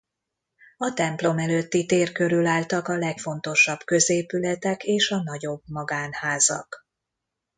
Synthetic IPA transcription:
ɒt̪ɛmplo̞mɛløt̪ːit̪eːrkø̞ɾylaːlt̪ɒkɒlɛkfo̞nt̪o̞ʃɒb̥kø̞zeːpylɛt̪ɛkeːʃɒnɒɟo̞bmɒɡaːnhaːzɒ̰k

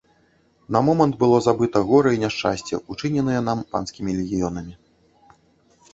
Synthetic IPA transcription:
nɐmɔmɐnt̪̚bɨlˠɔzabɨt̪ɐɣɔɾɐinʲaʂt͡ʂa̰sʲt͡sʲɛ̰ʔut͡ʂɨnʲɛnɨjɛn̪ampa̰nskʲimʲilʲɛɣʲijɔnɐmʲi

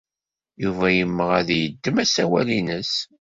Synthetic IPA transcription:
juvæjəmːəʁæðjəd̪ːəmæsæwælinəs

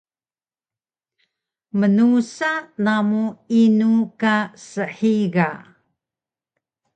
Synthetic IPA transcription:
mənusanamuinukasəħiɡa

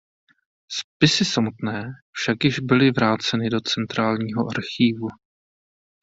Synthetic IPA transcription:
spɪsɪsamut̪nɛːfʃakjɪʒbɪlɪvɾaːt͡sɛnɪdo̞t͡sɛnt̪ɾaːlɲiːɦo̞ʔaɾxiːvu

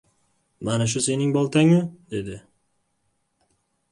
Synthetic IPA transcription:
manaʃ̬ʊse̞nɪŋbɒlˠt̪ʰaŋʊd̪e̞d̪ɪ

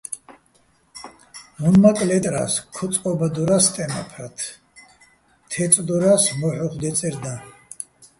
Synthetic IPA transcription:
munmakʼlɛt̪ʼɾa̰skʰuqʼɔbad̪uɾast̪ʼɛma̰pʰɾat̪ʰ | t̪ʰɛsʼd̪uɾasmɔħɔχd̪ɛt̪sʼɛɾd̪a

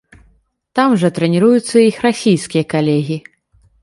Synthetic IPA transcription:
t̪amʐɐt̪ɾɛnʲiɾujut̪sːɐixrasʲijskʲijɐkalʲɛɣʲi

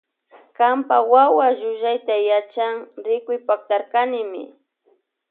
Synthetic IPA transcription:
kampawawaʒʊʒajt̪ajat͡ʃaŋɾɪkʊjpak̚t̪aɾkanɪmɪ̰

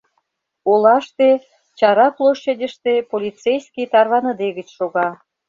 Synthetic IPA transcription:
olɑʃt̪e | t͡ɕɑɾɑplˠoʃedʲə̆ʃt̪epolʲit͡sejskʲijt̪ɑrβɑnɤ̆d̪eɣə̆t͡ɕʃoɣɑ

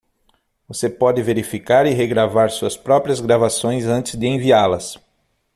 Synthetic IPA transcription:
vosepɔd̪ɪveɾifikaɾɪɦeɡɾavaɾsuɐspɾɔpɾiɐzɡɾavasõj̃zɐ̃nt͡ʃ̪ɪzd̪ɪẽvialɐs

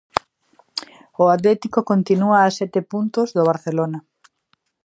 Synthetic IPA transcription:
ʊat̪lɛt̪ikokont̪inuɐːsɛt̪ɪpunt̪ʊzðoβ̞aɾθelonɐ

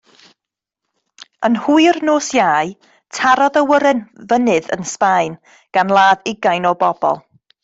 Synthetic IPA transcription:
ənhuɨrnoːsjaːj | tʰaɾɔðəwəɾɛnvənɨðə̰nspajn | ɡ̥anlˠaːðɪɡajnɔbɔbɔ̰lˠ

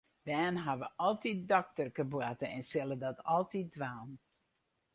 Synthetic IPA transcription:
bɛːnɦaʋəʔɔlˠtit̚dɔk̚tərkəbwatəɛnsɪlˠədɔtɔlˠtit̚dʋaːn

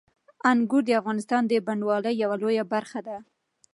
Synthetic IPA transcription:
aŋɡuɾd̪əafɣɑnɪst̪ɑnd̪əbaɳɖwɑləjːawalojabaɾxad̪a

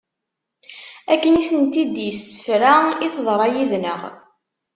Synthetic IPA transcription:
ækːəniθənt̪id̪jəsə̥fɾaiθðˤɾˤɑjiðnəʁ

